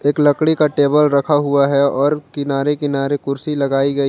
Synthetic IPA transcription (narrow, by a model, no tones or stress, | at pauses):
eːklɐkɽikaʈeːbəlɾɐkʰaɦʊaɦɛɔːɾkɪnaːɾekɪnaːɾekʊɾsilɐɡaːiɡɐi